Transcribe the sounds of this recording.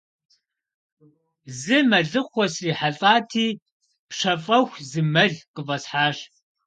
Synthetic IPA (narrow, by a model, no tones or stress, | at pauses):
zɨmɐɮɨχʷɔsriːħaɬʼaːtʰiː | pʂɐfʼɐxʷzɨmɐɮqəvɐsħaːɕ